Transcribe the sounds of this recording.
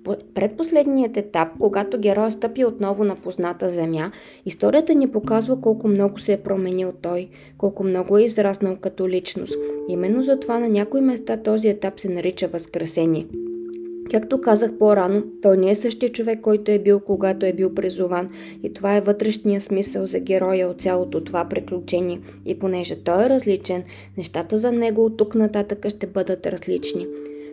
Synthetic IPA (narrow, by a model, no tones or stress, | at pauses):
ppɾɛt̪̚poslɛd̪nijət̪ɛt̪ap̚koɡat̪oɡʲɛɾɔjst̪ɤpiot̪nɔvʊnɐpoznat̪əzɛmja | ist̪ɔɾiət̪ənipokazvɐkɔlˠkʊmnɔɡʊsɛːpɾomɛnilˠt̪ɔj | kɔlˠkʊmnɔɡʊɛizɾasnəlˠkɐt̪olit͡ʃno̰st̪imɛnːozɐt̪ovanɐnʲakoimɛst̪at̪ɔziɛt̪apsɛnɐɾit͡ʃəvɐskɾɛsɛniɛ | kakt̪okazəxpɔɾanot̪ɔjnɛɛsɤʃt̪iət͡ʃovɛkːɔjt̪oɛbilˠkoɡat̪oɛbilˠpɾizuvan | it̪ovaɛvɤt̪ɾɛʃnijəsmisəlˠzɐɡʲɛɾɔjəot̪sʲjalˠot̪ot̪ovapɾiklʲʊt͡ʃɛnʲiɛ | ḭponɛʒɛt̪ɔjɛɾɐzlit͡ʃɛnː | ɛʃt̪at̪əzɐnɛɡoːt̪ːuknɐt̪at̪əkəʃt̪ɛbɤd̪ət̪ɾɐzlit͡ʃni